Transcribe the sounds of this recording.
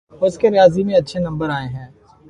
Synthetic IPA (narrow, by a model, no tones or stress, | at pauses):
ʊskeɾɪjaːzimẽɐtːʃʰenɐ̃mbəɾaːeɦɛ̃ː